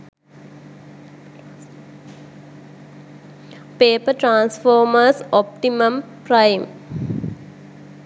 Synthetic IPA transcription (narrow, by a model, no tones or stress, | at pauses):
peːpəʈɾãːnsfoːməsɔp̚ʈiməmpɾajm